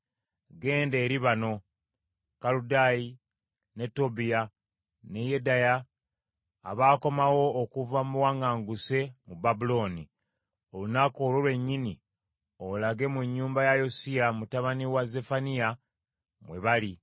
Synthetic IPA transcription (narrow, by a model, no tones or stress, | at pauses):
ɡe̞ːndeːɾiβano̞ | kaludaji | ne̞to̞bija | ne̞jedajaː | βaːko̞mawo̞ːkuvamuwaŋɡaːŋɡuse̞mubabulo̞ːni | o̞lunakoːlolwe̞ɲːini | olaɡe̞muɲːuːmbajajosiamutaβaniwaze̞fanija | mwe̞βali